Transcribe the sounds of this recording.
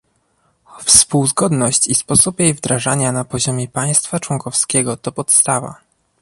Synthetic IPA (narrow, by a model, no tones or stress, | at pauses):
fspuwzɡɔd̪nɔɕt͡ɕispɔsupjejvd̪ɾaʐaɲanapɔʑɔmʲjɛpaj̃st̪fat͡ʂwɔŋkɔfskʲɛɡɔt̪ɔpɔt̪st̪ava̰